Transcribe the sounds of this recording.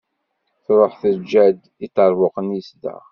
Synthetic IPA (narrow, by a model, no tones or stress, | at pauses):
θɾˤoħθəd͡ʒːæd̪ | it̪ːəɾˤvʊqənjəsd̪æ̰